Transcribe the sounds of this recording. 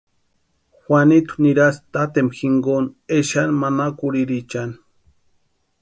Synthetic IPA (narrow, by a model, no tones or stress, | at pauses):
xʷanit̪u̥niɾast̪at̪emxiŋɡoneʃanmanakuɾiɾit͡ʃani̥